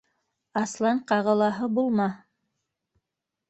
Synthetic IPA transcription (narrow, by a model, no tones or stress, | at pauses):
ɑslˠɑɴqɑʁɤ̆lˠɑɦɤbulˠmɑ